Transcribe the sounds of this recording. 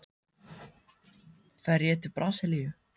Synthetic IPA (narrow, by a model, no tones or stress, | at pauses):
fɛɾjɛt̪ʰɪlpɾʔasɪlijʏ